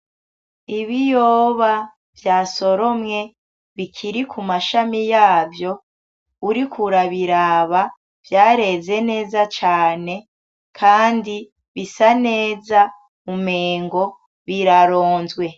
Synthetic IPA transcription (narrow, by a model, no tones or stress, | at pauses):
iβijoːβa | vjaːso̞ɾo̞mŋe̞ | βikʰiɾikʰumaʃamijaːvjo̞ | uɾikʰuɾaβiɾaβa | v̥jaːɾe̞ze̞ne̞ːzat͡ʃaːne̞ | kʰaːndi | βisane̞ːza | umeːŋɡo̞ | βiɾaɾoːnzɡwe̞